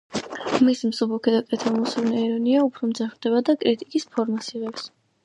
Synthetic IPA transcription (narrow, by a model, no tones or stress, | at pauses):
misimsubukʰɛd̪akʼɛt̪ʰamusulˠnɛiɾɔniaupʰɾɔmd̪zaχvd̪̥ɛβad̪akʼɾit̪ʼikʼispʰɔɾmasiʁɛps